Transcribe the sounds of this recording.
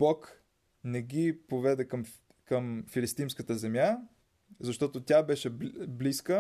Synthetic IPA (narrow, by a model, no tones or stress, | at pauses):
bɔk | nɛɡʲipovɛd̪ɛkəm | kəmfilist̪imskət̪əzɛmʲja | zɐʃt̪ɔt̪ot̪ʲabɛʃɛbliskə